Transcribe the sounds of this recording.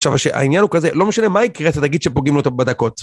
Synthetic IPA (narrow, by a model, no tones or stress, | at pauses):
aʃavaʃeʔa̰injanhukazelo̞meʃanemaikʁet͡set̪ːaɡid̪ʃepoɡimlot̪abad̪ako̞t